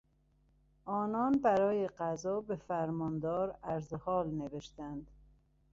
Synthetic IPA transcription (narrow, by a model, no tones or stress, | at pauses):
ʔɒːnɒːnbæɾɒːjeɢæzɒːbefæɾmɒːnd̪ɒːɾæɾzehɒːlneveʃt̪ænd̪